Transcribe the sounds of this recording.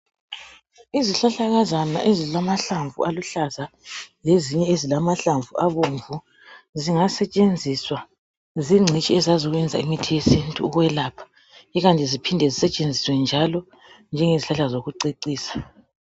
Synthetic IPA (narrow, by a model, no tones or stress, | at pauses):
iziɬaɬaɣazana̰ʔezilamaɬaɱvṵaluɬazaleziɲɛezilamaɬaɱvuʔaβoɱvu | ziŋasɛt͡ʃʼend͡zʱiswa | ziŋ͡ǀʱit͡ʃʼiɛzaziɣwɛnd͡zʱaimitʰijesintʼṵːɣwɛlaːpʰḁ | iɣantʼizipʰindʱɛzisɛt͡ʃʼend͡zʱiswɛnd͡ʒʱalɔ | nd͡ʒʱɛŋeziɬaɬazoɣuǀeǀiːsḁ